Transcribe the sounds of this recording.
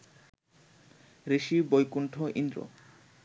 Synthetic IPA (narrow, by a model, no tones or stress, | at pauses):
ɾeʃibojkuɳʈʰoʔḭnd̪ɾo̰